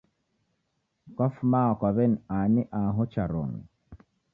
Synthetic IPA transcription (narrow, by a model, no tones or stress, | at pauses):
kafmaːkwaβɛnaniʔaɦɔt͡ʃaɾo̰ŋi